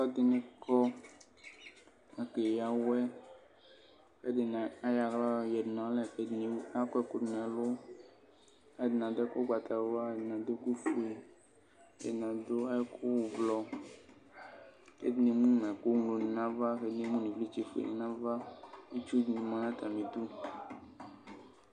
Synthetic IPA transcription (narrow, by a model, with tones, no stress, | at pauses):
ɔ˦d̪e˦nẽ˦kɔ˦ | e˨ke˨ja˦wɛ˦ | xe˦d̪e˨nã˨a˦ja˨ɡla˦˨jɛ˨dnã˨˦lɛ˦˨ke˨ni˨a˦kɛ˦ko˦d̪nɛ̃˨lo˦ | e˦˨d̪nã˨d̪e˦ko˦ɡ͡ba˨t̪a˨va˦e˨dnã˨d̪e˦ku˦fu˦e˨ | ḛ˨nã˨d̪o˦ɛ˦ko˦wo˨vlɔ˨ | kḛ˦d̪nĩ˨mũ˦mɛ̃˨ko˦ŋlo˨nĩ˨nã˦va˦xe˦d̪ni˨mũ˦nĩ˨vli˦t͡ʃi˨fḛ˨n˨nã˦va˦e˦t͡ʃu˦d̪nĩ˨mã˨nã˦t̪a˨mĩ˨d̪u˦